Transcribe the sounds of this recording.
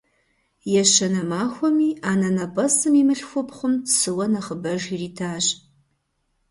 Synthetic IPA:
jɛʃɐnɐmaːxʷɔmiːaːnɐnɐbɐsɨmiːmɨɬxʷʊpχʷʊmtsɨwɐnɐχəbɐʒiriːtʰaːʒ

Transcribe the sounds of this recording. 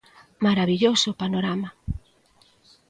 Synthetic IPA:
maɾaβiʎosʊpanoɾama

